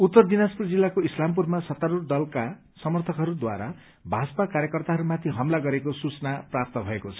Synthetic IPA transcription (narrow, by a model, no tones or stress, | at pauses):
ut̪ːʌrd̪inaspurd͡zilːakoislamp̬urmasʌt̪aɾurd̪ʌlka | sʌmʌrt̪ʰʌkɦʌɾud̪wa̰ɾa̰ | bʱaspakaɾjʌkʌrt̪aɦʌɾumat̪ʰiɦʌmlaɡʌɾekosut͡snaprap̚t̪ʌbʱʌekot͡sʰʌ̥